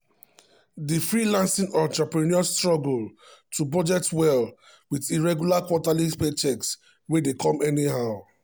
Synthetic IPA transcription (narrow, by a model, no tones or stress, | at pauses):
difɹilãnsĩŋɔtapɹiniɔstɹɔɡltubɔd͡ʒɛk̚twɛl | widiɹɛɡjulakwɔtalispet͡ʃɛks | wedekʰɔ̃mɛnihaʊ